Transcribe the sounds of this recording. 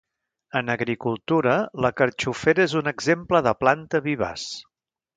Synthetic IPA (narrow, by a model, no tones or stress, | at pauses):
ənəɣɾikulˠt̪uɾələkəɾt͡ʃufeɾəezunəɡzempləðəplant̪əβiβa̰s